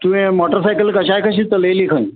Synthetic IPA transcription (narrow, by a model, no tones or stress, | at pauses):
t̪uʋẽmɔʈəɾsajkəlkəɕajkəɕiːt͡səlejliːkʰə̃ĩ